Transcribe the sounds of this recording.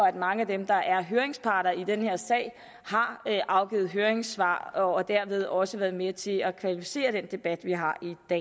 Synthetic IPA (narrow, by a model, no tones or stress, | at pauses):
ɒ̽æd̥mɑ̈ŋəæd̥emd̥ɑ̈ʔæɐɦøɐe̝ŋspʰɑ̈ːɾ̥ɐid̥enhe̝ɐ̰sɛ̰ɪ̰ | hɑ̈ʔɑ̈ʊɡ̥ḭːð̩ˠɦøːɐeŋsʋɑ̰̈ːɒːd̥æɐ̰ʋe̝ð̞ˠɒ̽səʋæɐðˠmet͡sʰe̝ækʰʋælifi̥se̝̰ːɐɾ̥end̥e̝b̥æd̥ʋiɦɑ̈id̥ɛ̰